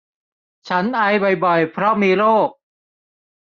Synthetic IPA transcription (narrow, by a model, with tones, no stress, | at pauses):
t͡ɕʰa˦˥nʔa˧jbɔ˨˩jbɔ˨˩jpʰɾɔ˦˥miː˧ɾoː˥˩k̚